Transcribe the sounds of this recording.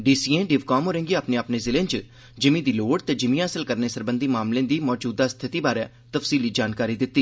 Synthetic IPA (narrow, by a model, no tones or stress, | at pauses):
ɖiːsiːẽːɖɪːʋkɔːmɦoːɾẽːŋɡiːaːpnẽːaːpneːzɪlẽːt͡ʃə | d͡ʒɪmĩːd̪iːloːɽt̪eːd͡ʒɪmĩaːsəlkəɾneːsəɾbənd̪iːmaːmlẽːd̪iːmɔːd͡ʒuːd̪aːst̪ʰɪt̪iːbaːɾɛː | t̪əfsiːliːd͡ʒaːnkaːɾiːd̪ɪt̪ːiː